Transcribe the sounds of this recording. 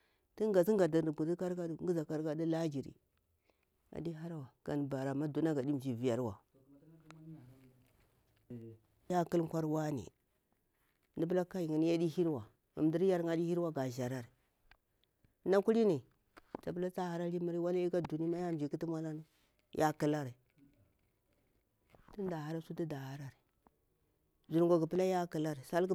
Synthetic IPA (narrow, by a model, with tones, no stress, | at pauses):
ti˦ŋ˦ɡa˨si˦ŋɡa˨da˨də˨ɡu˨di˦ka˦ɾka˦du˦ŋ˦ɡi˦za˨ka˦ɾka˦di˦la˦d͡ʒi˨ɾḭ˨ | a̰˨di˦ɦa˦ɾwa˨ɡ̥a̰˨n˨ba˨ɾa˨ma˦du˨na˦ɡa˨di˦m˨d͡ʒi˨vi˨ja˨ɾwa̰˨ | ja˦ku˦lkʷa˦ɾwa˦nḭ˨ | ni˦bla˦ka˦ji˨ŋi˨n˦ja˦di˦hi˦ɾwa˨ | ma̰˨m˨di˦ɾja˦ɾŋa˦di˦hi˦ɾwa˦ɡa˨ʒa˨ɾa˦˨ɾi˨˦ | na˦ku˦ɾi˦ni˨ | t͡ʃa˨pə˦la˦t͡sa˦ha˦ɾa˦li˦mi˦ɾi˦wa˦la˦i˦ɡa˦du˨ni˦ma˦ja˦˨m˨i˨ki˦ti˦mʷa˦la˦ni˦ | jʔa˦ki˨la˦ɾi˨ | ti˦n˦da˨ha˦ɾa˦su˦ti˦da˨ha˦ɾa˦ɾi˨ | zi˨ɾŋɡo˨ɡi˨pə˦la˦ja˦ki˨la˦ɾi˨sa˦lɡ